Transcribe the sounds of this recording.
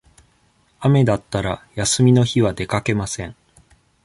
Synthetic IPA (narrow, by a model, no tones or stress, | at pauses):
ame̞d̪at̪ːaɾajasɨmʲino̞çiβad̪e̞kake̞masẽ̞ɴ